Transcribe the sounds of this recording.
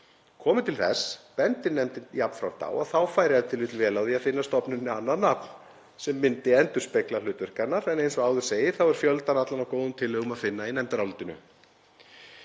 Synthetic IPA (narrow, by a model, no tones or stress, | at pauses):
kʰɔːmɪt̪ʰɪlθɛ̰spɛnt̪ɪnɛmt̪ɪjapn̥fɾawt̪a̰ːwaθawfaːjɾɪaðɪt̪ʰɪlʏt̪ɪlvɛːlawðiaðfɪnːast̪ɔpnʏnːɪanːaðnapn | sɛmːɪnt̪ɪɛnt̪ʏ̥speklalʏːt̪vɛr̥kanːaɾɛnejnsɔɣaːwðʏ̥seːjɪɾ̥θawɛɾ̥fjœlt̪anat̪lanawkoːwðʏmt̪ʰɪlːʏːɣʏmaðfɪnːainɛmt̪aɾalt̪ɪnʏ̰